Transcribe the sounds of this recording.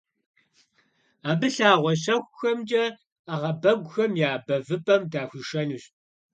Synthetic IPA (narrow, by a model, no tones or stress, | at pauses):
aːbɨɬaːʁʷɔɕ̬ɐxʷʊxɐmd͡ʒʼɐ | aʁɐbɐɡʷʊxɐmjaːbɐvɨpʼɐmdaːxʷiːʃɐnuːɕ